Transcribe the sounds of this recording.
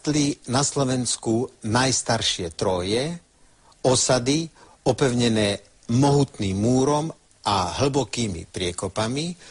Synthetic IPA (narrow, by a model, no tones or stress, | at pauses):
t̪linaslɔʋɛnskunajst̪aɾʃɪɛt̪ɾɔjɛ | ɔsad̪i | ɔpɛʊɲɛnɛː | mɔɦut̪niːmːuːɾɔm | ʔaɦl̩bɔkiːmḭpɾɪɛkɔpami